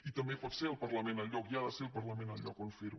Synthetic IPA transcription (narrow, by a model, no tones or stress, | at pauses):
it̪əmbepɔt̪seəlˠpəɾləmẽnəʎɔkiaðəseəlˠpəɾləmẽnəʎɔkonfiɾ